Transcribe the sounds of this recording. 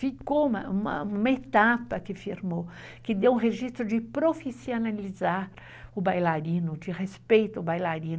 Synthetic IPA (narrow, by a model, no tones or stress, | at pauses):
fikoumɐ̰ũmɐ̰ũmɐet̪apɐkɪfiɾmo | kɪd̪ewũɦeʒist̪ɾʊd͡ʒɪpɾofisionalizaɾ | ʊbajlaɾĩnʊd͡ʒɪʁespejt̪ʊʊbajlaɾĩn